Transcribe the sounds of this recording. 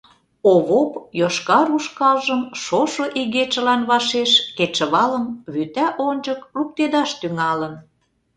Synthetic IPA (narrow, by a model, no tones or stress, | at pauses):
oβopjoʃkɑɾuʃkɑlʒəmʃoʃŏʔiɣet͡ʃə̆lɑnβɑʃeʃket͡ʃə̆βɑləmβyt̪æʔonʲd͡ʒəkruk̚t̪ed̪ɑʃt̪yŋɑlən